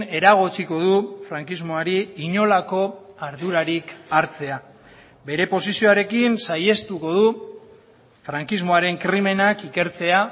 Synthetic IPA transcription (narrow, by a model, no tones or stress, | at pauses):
e̞ɾaɣ̞ot͡siko̞ðufɾaŋkizmo̞aɾiːɲo̞lako̞aɾðuɾaɾikaɾt͡se̞a | be̞ɾe̞po̞sisio̞aɾe̞kinsaje̞st̪uko̞ð̞u | fɾaŋkizmo̞aɾe̞ŋkɾime̞nakike̞ɾt͡se̞a